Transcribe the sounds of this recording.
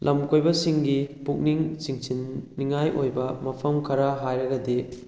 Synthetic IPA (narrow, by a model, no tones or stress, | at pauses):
lʔɐmkojbɐsiŋɡipuk̚niŋt͡ʃiŋsinːiŋajʔojbɐmɐpʰɐmkʰɐɾaɦajɾɐɡɐdi